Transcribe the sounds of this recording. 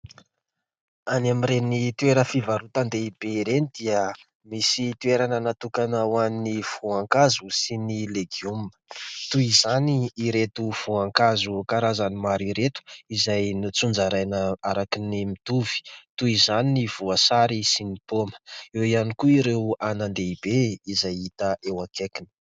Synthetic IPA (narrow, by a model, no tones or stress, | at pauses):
anamiɾenit̪ueɾəfivaɾut̪and̪eib̥eiɾenid̪̥iə | misit̪ueɾanənat̪ukanawanniv̥uaŋkazusinileɡiumə̥t̪uizaniːɾet̪uv̥uaŋkazukaɾazanimaɾiɾet̪u̥izajnit͡sund͡ʒaɾajnəaɾakinimit̪uv̥i̥t̪uizaniniv̥uasaɾisinipomə̥ewianikuiɾewanand̪eibeizajit̪əʔewakekinə̥